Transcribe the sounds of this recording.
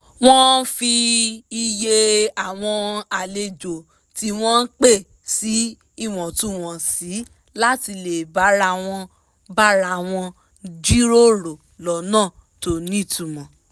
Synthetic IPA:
w̃ɔ̃˦fi˧i˧je˧a˨w̃ɔ̃˧a˨le˧d͡ʒo˨ | ti˦w̃ɔ̃˦n˦k͡pe˦˨ | si˨˦ | i˦˨w̃ɔ̃˨tũ˦w̃ɔ̃˨si˨˦ | la˦ti˧le˨ba˨˦ɾa˧˦˨w̃ɔ̃˧ | ba˦ɾa˧˨w̃ɔ̃˧ | d͡ʒi˦ɾo˦ɾo˨ | lɔ˨˦nãː˦˨ | to˨nĩ˦˨tu˨mɔ̃˨

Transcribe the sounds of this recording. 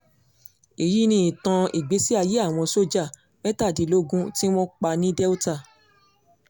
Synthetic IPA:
e˨ji˨˦nĩ˧˦ĩ˨tã˧i˨ɡ͡be˨˦si˦a˧je˨˦a˦˨w̃ɔ̃˧so˦d͡ʒa˦˨ | bɛ˦ta˦˨di˨˧˦lo˦ɡũ˦ti˦w̃ɔ̃˦k͡pa˧nĩ˦dɛ˦u˦ta˦˨

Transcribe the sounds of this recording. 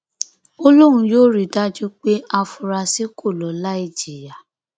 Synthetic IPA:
o˦lo˦ɾ̃ũ˧joː˦ɾi˨da˦d͡ʒu˦k͡pe˦ʔa˧fu˧ɾa˧si˦kʰo˦˨lɔ˨la˦i˦˨d͡ʒi˨ja˨

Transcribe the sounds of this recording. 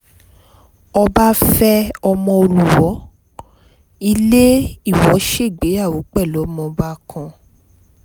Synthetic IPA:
ɔ˧ba˦fɛ˦ɔ˧mɔ̃˧o˧lu˨wɔ˨˦ | i˧le˦i˦˨wɔ˨˦ʃe˦˨ɡ͡be˨˦a˦˨wo˨˦k͡pɛ˦˨lɔ˨˦mɔ̃˧ba˦kʰã˧

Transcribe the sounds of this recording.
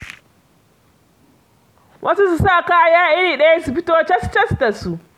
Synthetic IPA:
wʔɐ˦su˦s̬u˨saː˦˨kaː˦jaː˦ʔɪ˦ɾiː˨ɗɐ˦ja˦su˨ɸɪ˦toː˦t͡ʃɐ˦st͡ʃɐ˦sta˨su˨

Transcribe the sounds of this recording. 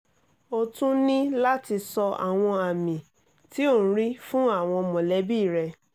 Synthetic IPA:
o˧tũ˦nĩ˦la˦ti˧sɔ˧a̰˨w̃ɔ̃˧a˨mĩ˨ | ti˨˦õ˦˨˦ɾi˦fũ˦a˦˨w̃ɔ̃˧mɔ̃˨lɛ˨˦bi˦˨ɾɛ˧

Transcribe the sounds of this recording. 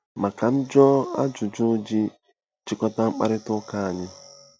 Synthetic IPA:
ma˨ka˨n̩˦d͡ʒɔ˦a̰˦d͡ʒʊ˨d͡ʒʊ˦d͡ʒi˦ | t͡ʃɪ˦kɔ˦ta˦ŋ͡m̩˦k͡pa̰˦ɾɪ˦tʊ˦ka˦a˨ɲɪ˦

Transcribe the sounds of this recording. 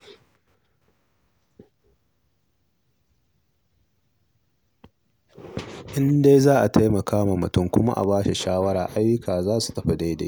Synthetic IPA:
ʔɪ˦nda˦jzaː˦ʔa˨tʰa˦jmɐ˨kʰaː˦ma˨mʊ˨tʊ˦˨ŋkʷʊ˦ma̰˦ʔa̰˨baː˦ʃe˨ʃaː˦wɐ˦ɽaː˨ʔa˦jːʊ˦kʰaː˨zaː˦su̥˨tɐ˦ɸɐ˨da˦jdḛ˨˦

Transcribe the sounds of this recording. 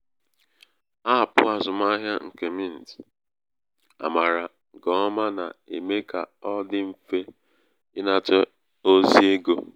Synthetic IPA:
a˦˨pʊ̰˦a˨zʊ˨ma˦ɦja˦ŋ̩˨ke˨mi˦˨n̩˨t | a̰˨ma˨ɾa˨ | ɡɔ˨˦ma˦na̰˨ḛ˨me˦ka̰˨ɔ˦dɪ˦m̩˦fe˦ | ɪ˦na˦tɔ˦ | o˦zi˦e˦ɡo˦

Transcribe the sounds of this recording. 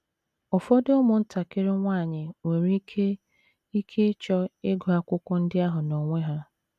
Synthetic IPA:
ʊ˨fɔ˦dɪ˦ʊ˦mʊ˨n̩˦ta˨kɪ˦ɾɪ˦ŋʷaː˦˨ɲɪ˨ŋʷe˨ɾi˦e˦ | i˦kʰe˦t͡ʃɔ˦e˦ɡo˨a˦kʷʊ˦kʷʊ˦n̩˦dɪ˦a˦ɦʊ˨no˨ŋʷe˦ɦa˦

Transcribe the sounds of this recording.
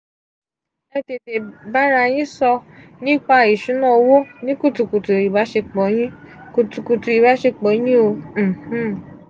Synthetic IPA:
ɛ̃˦te˨˧te˨ba˦ɾa˧j̃ĩ˦sɔ˧ | nĩ˦k͡pa˧i˨ʃu˨˦nã˦˨˧wo˦nĩ˦ku˦˨tu˨ku˨tu˨i˨ba˨˦ʃe˧k͡pɔ˨˦j̃ĩ˦ko˧tu˧ku˧tu˧i˨ba˨˦ʃe˧k͡pɔ˨˦j̃ĩ˦o˧m̩˨h̩˦˨

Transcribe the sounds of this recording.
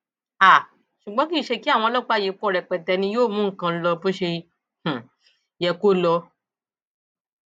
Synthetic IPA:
a˨ | ʃu˨ɡ͡bɔ̃˨˦ki˦ʃe˧ki˦a˦˨w̃ɔ̃˧˦lɔ˦k͡pa˦˨je˨˦k͡pɔ˦˨ɾɛ˨k͡pɛ˨tɛ˨˧nĩ˧joː˦˨mũ˨˦˨kã˧˦lɔ˧bo˦ʃe˧ | h̩˨ | jɛ˧ko˦lɔ˧

